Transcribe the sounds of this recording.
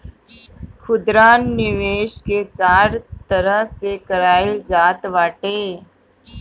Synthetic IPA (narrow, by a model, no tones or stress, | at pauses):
xʰʊd̪ɾaːnːɪʋeːʃket͡ʃaːɾt̪ɐɾəɦsekɐɾaːɪld͡ʒaːt̪ʋaːʈeː